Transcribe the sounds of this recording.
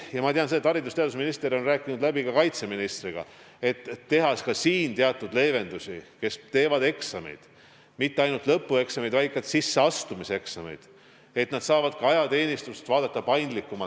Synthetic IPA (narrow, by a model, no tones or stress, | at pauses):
jɑmɑt̪eɑnseet̪ːɑɾid̪ust̪e̞ɑd̪usminist̪e̞ɾo̞nræːkːˑinud̪læbikɑkɑjt̪se̞minist̪riɡ̥ɑ̰ | e̞t̪ːe̞ɦɑskɑsiːnt̪eɑt̪ːˑud̪le̞ːve̞nd̪usike̞st̪e̞ːvɑd̪e̞ksɑme̞̰jd̪̥ | mit̪ːeɑjnult̪lɤpːue̞ksɑmejd̪vɑjkːˑɑt̪sisːe̞ɑst̪umise̞ksɑme̞̰jd̪̥ | e̞t̪nɑd̪sɑːvɑd̪̥kɑɑjɑt̪e̞ːnist̪ust̪vɑːd̪ɑt̪ːɑpɑjnd̪likːˑumɑ